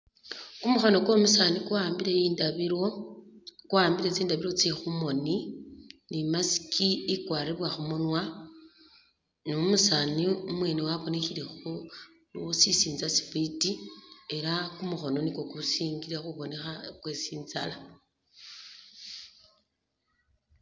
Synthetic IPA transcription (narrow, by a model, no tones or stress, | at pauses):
kumuxo̞no̞kwo̞musanikaːmbiɾejiːndao | kuaːmbiɾet͡siːndaβiɾo̞t͡sexumo̞ni | nimasi̥kʰiikwaːɾiβwaxumunwa | nomusaniumwe̞ːnewaβone̞xiɾe̞xo | lusisiːnzasi̥fitie̞ɾakumuxo̞no̞niko̞kusiːŋɡiɾaxuβo̞ne̞xakwesiːnza̰la